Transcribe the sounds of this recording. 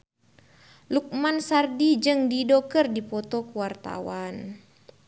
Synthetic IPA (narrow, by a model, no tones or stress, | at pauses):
luk̚mansardid͡ʒɨŋdidɔkərdipɔt̪ɔkuwart̪a̰wan